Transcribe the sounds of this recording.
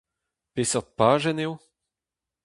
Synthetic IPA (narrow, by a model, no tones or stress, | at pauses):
pesɔʁt̪̚paːʒɛnew